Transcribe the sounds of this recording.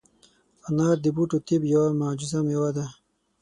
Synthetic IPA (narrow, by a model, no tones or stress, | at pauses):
anaːɾd̪ibuʈut̪ibjawamaːd͡ʒuzamjawad̪a